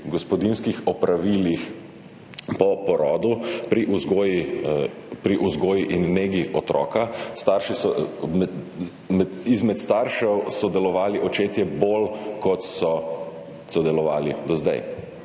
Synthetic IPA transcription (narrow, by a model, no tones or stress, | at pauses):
ɡɔspɔd̪inskixɔpɾaʋiːlix | pɔpɔɾɔːd̪upɾiʔuzɡoːji | pɾiʔuzɡoːjiʔinːeːɡiɔt̪ɾɔ̰ːkast̪aɾʃisɔ | izmɛt̪st̪aːɾʃɛwsɔd̪ɛlɔʋaːliʔɔt͡ʃeːt̪jɛbolkɔt̪sɔ | sɔd̪ɛlɔʋa̰ːlid̪ɔzd̪a̰j